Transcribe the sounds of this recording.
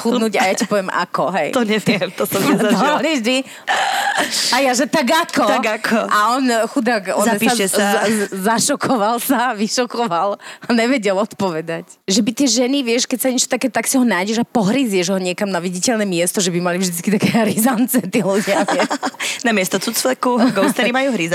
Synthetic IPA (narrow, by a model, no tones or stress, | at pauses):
xut̪nuɟajaipɔʋjɛma̰kɔɦɛjt̪ɔɲɛtɛmt̪ɔsɔaliʒd̪i | ajaʒɛt̪aɡakɔaɡakʰɔʔaɔnxud̪akɔapiaɛszaʃɔkʰɔʋalsaʋiʃɔkɔʋalaɲɛʋɛɟɛlɔt̪pɔʋɛd̪ac | ʒɛbit̪ɪɛʒɛniʋɪɛʃkɛcsaɲɛt͡ʃɔ̥t̪akɛːt̪aksiɦɔnaːjɟɛʒapɔɦɾizɪɛʒɛɦɔɲɛkamnaʋiɟicɛlnɛmɪɛst̪ɔʒɛbimalivʒd̪it͡skit̪akɛːɦɾizant͡sɛt̪iːluɟɪaɛnamɪɛst̪ɔt͡sut͡sʋɛkuɡɔst̪ɛɾimajuːɦɾiz